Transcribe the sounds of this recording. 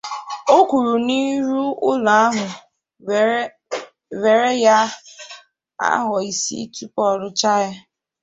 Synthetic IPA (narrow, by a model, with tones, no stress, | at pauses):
o˦kʷu˨ɾu˨ni˦ɾu˦ʊ˦la˨a˦ɦʊ˨ | ve˨ɾe˦ja˦ | a̰˦ɦɔ˨i˨sḭ˦tu˦pɔ˦ɾʊ˦t͡ʃa˦jɪ˦